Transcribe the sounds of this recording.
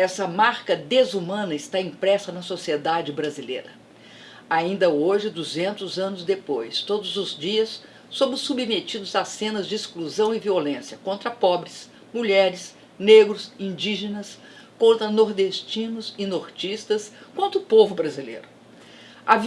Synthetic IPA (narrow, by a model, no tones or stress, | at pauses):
ɛsɐmaɾkɐd̪ezumɐ̃nɐɪst̪aĩpɾɛsɐnɐsosied̪ad͡ʒɪbɾazilḛjɾɐ | aĩnd̪ɐoʒɪd̪uzẽnt̪ʊzɐ̃nʊzd̪epojst̪od̪ʊzʊzd͡ʒiɐsː | õbʊsːubimet͡ʃid̪ʊzasẽnɐzd͡ʒɪiskluzɐ̃w̃ɪviolẽsiɐkõnt̪ɾɐpɔbɾɪs | muʎɛɾɪs | neɡɾʊzĩd͡ʒiʒenɐs | kõnt̪ɾɐnoɾd̪est͡ʃĩnʊzɪnoɾt͡ʃist̪ɐskɐ̃nt̪ɾʊpovʊbɾazilḛjɾʊ | ɐv